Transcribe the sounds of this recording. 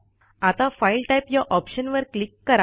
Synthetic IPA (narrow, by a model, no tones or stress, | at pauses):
at̪afailʈajpjaʔɔpɕənʋəɾklikːəɾa